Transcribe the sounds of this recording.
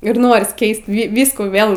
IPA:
ɪr ˈnoːrʲɪs ˈkʲɛɪst ʋʲiː ˈʋʲiːskuː ˈʋʲeːlˠ

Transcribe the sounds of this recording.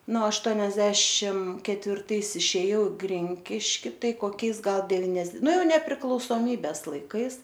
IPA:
nʊ ɐʃˈtuɔnʲɛzʲdʲɛʃʲɪm kʲɛtʲʋʲɪrˈtɐɪs ɪʃʲeːˈjɛʊ ɪ ˈɡrʲɪŋʲkʲɪʃʲkʲɪ ˈtɐɪ koːˈkʲɛɪs ˈɡɐlˠ dʲɛʋʲɪnʲɛs ˈnʊ ˈjɛʊ nʲɛpʲrʲɪklˠɐʊsoːˈmʲiːbʲɛs lˠɐɪˈkɐɪs

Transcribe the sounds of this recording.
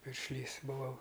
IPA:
pʲɪrʲʃʲˈlʲiːs bʊˈʋɐʊ

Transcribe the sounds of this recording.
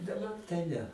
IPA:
dɐˈbɐr tɐɪ ˈnʲɛ

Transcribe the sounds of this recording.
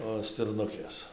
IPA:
oː sʲtʲɪrˈnʊkʲeːs

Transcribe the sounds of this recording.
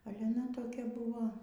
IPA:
ˈɑːlʲɛ ɐˈnɐ toːˈkʲɛ ˈbʊʋoː

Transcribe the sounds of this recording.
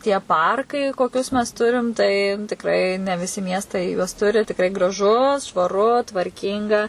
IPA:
tʲiɛ ˈpɐrkɐɪ koːˈkʲʊs mʲɛs ˈtʊrʲɪm tɐɪ tʲɪkˈrɐɪ nʲɛ ʋʲɪˈsʲɪ ˈmʲiɛstɐɪ juɔs ˈtʊrʲɪ tʲɪkˈrɐɪ ɡrɐˈʒʊ ʃʋɐˈrʊ tʋɐrʲˈkʲiːŋɡɐ

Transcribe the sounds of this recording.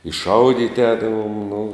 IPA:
ɪ ˈʃɐʊdʲiːtʲɪ ˈɛːdɐʋoːm nʊ

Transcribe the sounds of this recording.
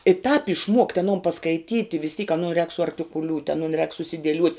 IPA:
ɪ tɑːp ɪʃˈmuɔktʲ ɐˈnoːn pɐskɐɪˈtʲiːtʲɪ ʋʲɪs tʲiːk ɐˈnʊ rʲɛːk sʊɐrktʲɪkʊˈlʲuːtʲ ɐˈnʊn rʲɛːk sʊsʲɪdʲiɛˈlʲuɔtʲ

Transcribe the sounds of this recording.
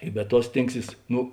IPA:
ɪ bʲɛ ˈtuɔ ˈsʲtʲeːŋkˌsʲiːs ˈnʊ

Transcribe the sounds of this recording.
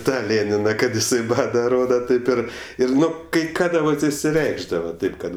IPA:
ˈtɑː ˈlʲeːnʲɪnɐ kɐt ɪˈsɐɪ ˈbɑːdɐ ˈroːdɐ ˈtɐɪp ɪr ˈɪr ˈnʊ kɐɪ ˈkɑːdɐ kɐɪ ˈkɑːdɐ ʋɐt ɪʃʲsʲɪˈrʲɛɪɡʒdɐʋɐ ˈtɐɪp kɐt

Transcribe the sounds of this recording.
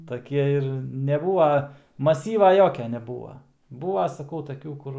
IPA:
tɐˈkʲiɛ ɪr nʲɛˈbuːʋɐ mɐˈsʲiːʋɐ ˈjoːkʲɛ nʲɛˈbuːʋɐ ˈbuːʋɐ sɐˈkɐʊ tɐˈkʲuː ˈkʊr

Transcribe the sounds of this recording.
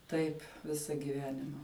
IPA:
ˈtɐɪp ˈʋʲɪsɐ ɡʲɪˈʋʲæːnʲɪmɐ

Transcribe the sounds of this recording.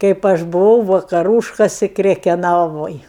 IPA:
kɐɪp ˈɐʃ bʊˈʋɐʊ ʋɐkɐˈruːʃkɐsʲɪ krʲɛkʲɛˈnɑːʋoːj

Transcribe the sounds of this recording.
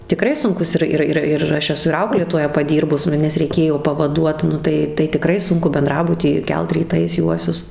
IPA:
tʲɪˈkrɐɪ sʊŋˈkʊs ˈɪr ˈɪr ɪr ˈɐʃ ɛˈsʊ ɪr ˈɐʊklʲeːtoːjɛ pɐˈdʲiːrbʊs ˈnʊ nʲɛs rʲɛɪˈkʲeːjoː pɐʋɐˈduɔt ˈnʊ tɐɪ tɐɪ tʲɪˈkrɐɪ ˈsʊŋkʊ bʲɛnˈdrɑːbʊtʲiː ˈkʲɛlˠt rʲiːˈtɐɪs ˈjuɔsʲʊs

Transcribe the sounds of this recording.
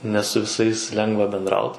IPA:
nʲɛ sʊ ʋʲɪˈsɐɪs ˈlʲɛŋɡʋɐ bʲɛnˈdrɐʊt

